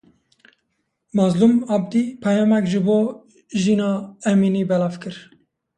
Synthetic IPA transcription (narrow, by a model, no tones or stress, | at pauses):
mɑzlumɑbd̪ipʰɛjɑːmɛkʒɨboː | ʒiːnɑːɛminiːbɛlɑːvkɨɾ